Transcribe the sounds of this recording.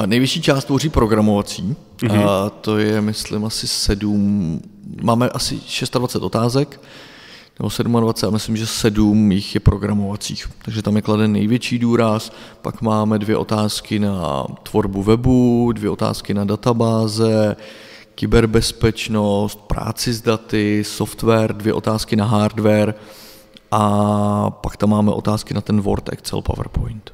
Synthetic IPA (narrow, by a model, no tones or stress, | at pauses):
nɛjvjɛt͡ʃiːt͡ʃaːst̪voriːpɾoɡɾamo̞vat͡siː | t̪o̞jɛmɪslɪmʔasɪsɛdum | maːmɛʔasɪ̰ʃɛst̪advat͡sɛt̪o̞t̪aːzɛk | nɛbo̞sɛdumadvat͡sɛt̪amɪslɪmʒɛsɛdumjɪxjɛpɾoɡɾamo̞vat͡sḭːxt̪aɡʒɛt̪amjɛkladɛnːɛ̰jvjɛt͡ʃiːduːɾaspa̰kmaːmɛdvjɛʔo̞t̪aːskɪna̰t̪vo̞ɾbuvɛbudvjɛʔot̪a̰ːskɪnadat̪abaːzɛ | kɪbɛɾbɛspɛt͡ʃnost̪̚pɾa̰ːt͡sɪzdat̪ɪsoft̪vɛːɾdvjɛ̰ʔo̞t̪aːskɪnaɦaːɾdvɛɾ | ʔa | pakt̪amːaːmɛʔo̞t̪aːskɪnat̪ɛnvo̞̰ɾt̪ɛ̰kt͡sɛ̰lpa̰vɛ̰ɾpojnt̪